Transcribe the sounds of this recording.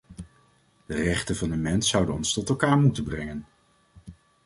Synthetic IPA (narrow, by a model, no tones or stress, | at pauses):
d̥ərɛχtənvɑnənmɛnsʌwdənɔ̰nstɔtɛlˠkaːɹmutənbrɛŋən